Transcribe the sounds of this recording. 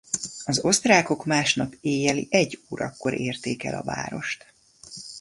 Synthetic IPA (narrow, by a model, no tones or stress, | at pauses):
ɒzo̞st̪raːko̞kmaːʃnɒpeːjɛlḭʔɛɟːuːɾɒkːo̞ɾʔeːrt̪eːkɛ̰lɒ̰va̰ːɾo̞ʃt̪